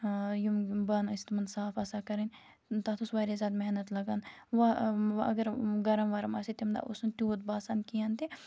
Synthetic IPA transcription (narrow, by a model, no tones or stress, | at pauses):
jumbɐnɐsʲt̪mɐnsaːfɐsaːkɐɾinʲ | t̪aːt̪ʰusʋaːɾezʲaːd̪meɦnɐt̪lɐɡaːnʋɐɐ̰ɡəɾɡɐɾɐmʋɐɾɐmaːsit̪imd̪a̰ːʔust̪ʲuːt̪baːsaːnkijaːnt̪i